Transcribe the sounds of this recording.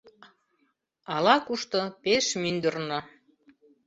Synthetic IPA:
ɑlɑkuʃt̪ɤ̆peʃmynd̪ə̆rnɤ̆

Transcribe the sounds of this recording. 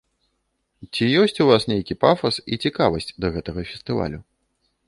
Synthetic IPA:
t͡sʲijɔsʲt͡sʲuvasnʲejkʲipafɐsḭt͡sʲikavɐsʲt͡sʲd̪ɐɣɛt̪ɐɣɐfʲɛst̪ɨva̰lʲu

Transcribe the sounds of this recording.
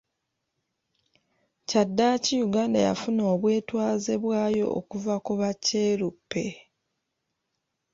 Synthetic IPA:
cadːacijuɡaːndaja̰funoːβwe̞ːtwaːze̞βwaːjo̞̰ʔo̰kuvakuβacːe̞ːɾupːe̞

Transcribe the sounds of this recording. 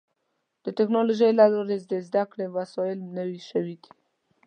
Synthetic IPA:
d̪̥ətɪknoloʒəjlaloɾezd̪ezd̪akɽemasɔjɪlnəwiʃəwid̪i̥

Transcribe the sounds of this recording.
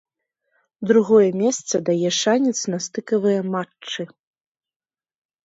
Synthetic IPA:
d̪ɾuɣɔjɛmʲɛst̪sɐd̪ajɛʂanʲɛt̪snast̪ɨkɐvɨjɛmat͡ʂːɨ

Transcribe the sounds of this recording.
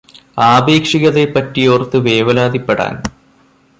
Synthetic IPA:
aːbe̞ːkʂiɣɐðepɐtːijoːrt̪ːɨʋeːʋɐlaːd̪ipːe̞ɽa̰ːn

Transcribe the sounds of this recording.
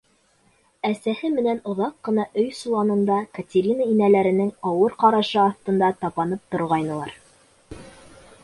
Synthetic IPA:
æsæhɘmɘ̆nænŏðɑqːɤ̆nɑʔɵjsulˠɑnɤ̆nd̪ɑkətʲeɾʲinəinælæɾɘ̆nɘŋɑwɤɾqɑɾɑʃɤɑθt̪ɤ̆nd̪ɑt̪ɑpɑnɤp̚t̪ŏɾʁɑjnɤ̆lˠɑɾ

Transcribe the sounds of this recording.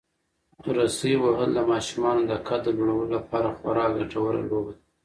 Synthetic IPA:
ɾasaiwaɦəlːamɑʃumɑnod̪akʰad̪əloɽawəlolapɑɾaxwaɾɑɡaʈawəɾa̰lowd̪

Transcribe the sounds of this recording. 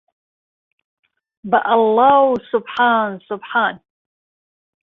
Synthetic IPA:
baʔalːawsʊbħaːnsʊbħan

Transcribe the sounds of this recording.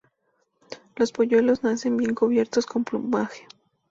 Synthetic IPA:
lo̞spoʝwe̞lo̞znase̞mbje̞ŋkoβ̞je̞ɾt̪osko̞mplumbaxe̥

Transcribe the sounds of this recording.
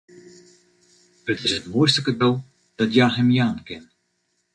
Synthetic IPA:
ɦətɪsətmoːjstəkədɛlˠ | d̥ɑtjaːɦɛmjaːnkɛn

